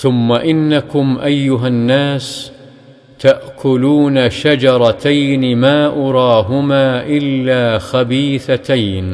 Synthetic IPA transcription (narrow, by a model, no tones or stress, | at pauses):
θʊmːaʔɪnːakʊmʔajːʊɦanːaːs | t̪aʔkʰʊluːnaʃad͡ʒɑɾˤɑt̪ajnmaːʔʊɾˤɑːɦʊmaːʔɪlːaːxabiːθat̪ajn